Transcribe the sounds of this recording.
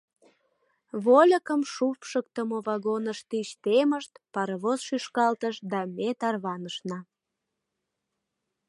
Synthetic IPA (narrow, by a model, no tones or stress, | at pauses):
βolʲəkəmʃufʃək̚t̪əmoβɑɣonəʃt̪yʃt̪eməʃt̪pɑɾəβozʃyʃkɑlt̪əʃd̪ɑmet̪ɑrβɑnəʃnɑ